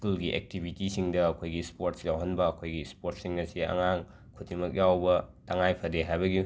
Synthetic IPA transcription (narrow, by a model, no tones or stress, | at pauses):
skulɡiʔḛk̚tibʱitisiŋdɐːkʰojɡispoɾtsjawɦɐnbɐɐkʰojɡispoɾt̚siŋnɐsiɐ̰ŋaŋ | kʰutʰimɐk̬̚jawbɐtɐŋajpʰɐdeɦajbɐɡi